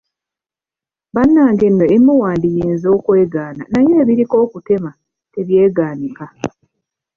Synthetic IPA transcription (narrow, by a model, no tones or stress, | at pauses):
βanːaːŋɡe̞nːo̞emːuwaːndijiːnzo̞ːkwe̞ːɡaːnanajeːβiɾiko̞ːkute̞ma | te̞βje̞ːɡaːnika